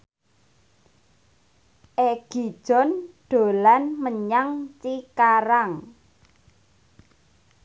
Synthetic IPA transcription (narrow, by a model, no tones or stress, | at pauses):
ʔeɡ̥id̥ʒ̥ɔ̤nɖ̥o̤lanməɲaŋt͡ʃikaɾaŋ